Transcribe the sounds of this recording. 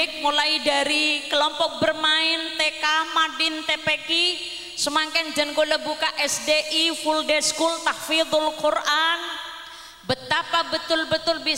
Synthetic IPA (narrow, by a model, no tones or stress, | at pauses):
ɪk̚mulaidaɾikəlɔmpɔk̚bərmaɪnt̪ekamadɪnt̪epeki | səmaŋkand͡ʒənkolabukaʔɛsdeʔifuldɛskult̪ahfid̪ʊlkurʔan | bət̪apabət̪ʊlbət̪ʊlbi